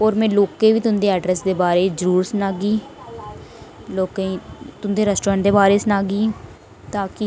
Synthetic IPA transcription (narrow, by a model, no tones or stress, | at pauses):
oːɾmɛ̃ːloːkẽːʋiːt̪ʊ̃nd̪eːɛːɖɾɛsd̪eːbaːɾeːzəɾuːɾsənaːɡiː | loːkẽt̪ʊnd̪eːɾəsʈɾəɳd̪eːbaːɾeːsənaːɡiː | t̪aːkɪ